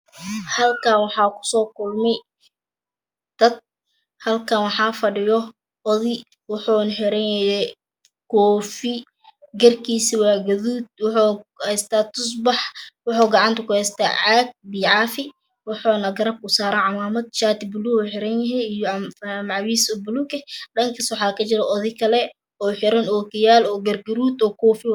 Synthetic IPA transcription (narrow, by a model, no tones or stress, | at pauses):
hɐlkʰawɑħɑːkʰʊ̥sɔːkʰʊlmɛ | d̪̥ɐd̪̚ | hɐlkʰɐnwɑħɑːfɐɖɪjɔ | ɔðɪ | wʊħɔːnħɛɾɛnjɛjɛ | kʰɔːfɪ | ɡɐrkʰiːsiwɑːɡɐðuːd̪̚wʊħuhɛst̪ʰaːt̪ʰʊsbɑħwɑħɔːɡɑʕɑnt̪ʰɐkʊhɛst̪ʰa̰ːʕaːɡ̚biːʕɑːfɪ | wɑħɔːnɐɡɐɾɐb̚kʊsaːɾaʕɑmaːmɐd̪̚ʃaːt̪ɪbʊluħɪɾɛnjɛɦɛjijɔmʕɑwiːsɔbʊlukɛɗɐŋkʰɐswɑħɑːkʰɐt͡ʃɪɾɛʔɔðɪkʰɐlɛ | ɔːħɪɾɐnɔːkɪjaːlɔːɡɐrɡɐɾuːd̪ɔːkʰɔːfɪ